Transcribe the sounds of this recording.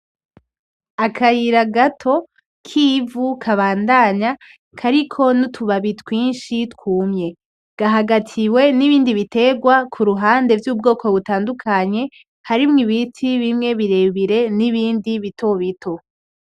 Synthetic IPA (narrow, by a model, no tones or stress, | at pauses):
akʰajiɾaɡatʰo̞ | kʰiːvukʰaβaːndaɲa | kʰaɾikʰo̞nutʰuβaβitwiːnʃitkuːmɲe̞ | ɡ̥aɦaɡatʰiwe̞niβiːndiβite̞ɡwakʰuɾuɦaːnde̞vjuːbɡo̞ːko̞βutaːndukʰaɲe̞ | haɾimŋiβitʰiβimŋe̞βiɾe̞βiɾe̞niβiːndiβitʰo̞βitʰo̞